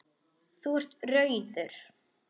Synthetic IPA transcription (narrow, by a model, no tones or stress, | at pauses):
θuɛr̥t̪rœɥðʏɾ̥